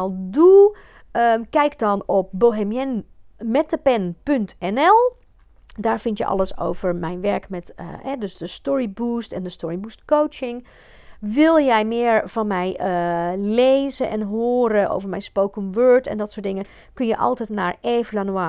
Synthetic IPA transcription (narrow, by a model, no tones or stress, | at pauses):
alˠdu | əkɛjkdɔnɔp̚boːɦemjɛnmɛtəpɛnpøntɛnɛlˠ | daːɹfɪntjə̰ʔɔ̰ləso̰wvəɹmɛjnʋɛɹkmɛthɛdøsdəstɔɹibuːstɛndəstɔɹibustkowt͡ʃɪŋ | ʋɪlˠjɛjmɪəɹv̥ɔnmɛjəlejzəʔɛ̰nɦoːɾəʔo̰wvəɹmɛjnspowkɔmʋøɹtɛ̰ndɔtsʊːdɪŋə | kønjəʔɔ̰lˠtɛtnaːɹeːvlanuaː